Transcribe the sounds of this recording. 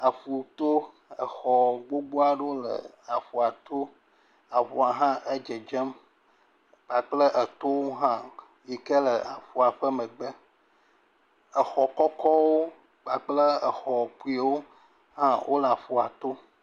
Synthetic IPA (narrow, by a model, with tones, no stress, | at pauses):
a˨ɸu˨t̪o˦ | ə˨xɔ˨ɡ͡bo˦ɡ͡bo˦a˨ɖo˦lə̰˨ | a˨ɸu˨a˨t̪o˦ | a˨ɸu˨a˨ɦã˦ʔe˦d͡ʒe˨d͡ʒɛ˦m | k͡pa˨k͡plə˦ʔə˨t̪o˦wo˦ɦã˦ | ji˨kə˦lə˨a˨ɸu˨a˨ɸə˦mə̃˨ɡ͡bə˦ | ə˨xɔ˨kɔ˦kɔ˦wo˦ | k͡pa˨k͡plə˦ə˨xɔ˨pu˦i˦wo˦ | ɦã˦wʔo˦lə˨a˨ɸu˨a˨t̪o˦